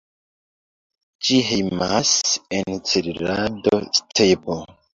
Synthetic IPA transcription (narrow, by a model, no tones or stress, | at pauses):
d͡ʒiɦejmasent͡seɾiɾado̰stʰebo